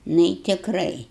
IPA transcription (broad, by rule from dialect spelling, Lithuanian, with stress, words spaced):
ˈnʊ ɪ tʲɪkˈrɐɪ